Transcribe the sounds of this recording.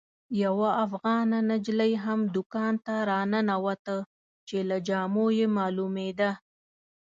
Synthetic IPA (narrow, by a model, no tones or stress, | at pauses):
jawaːfɣɑnanad͡ʒlajɦamd̪ʊkɑnt̪aɾɑnənawat̪ə | t͡ʃelad͡ʒɑmojemɑlumed̪a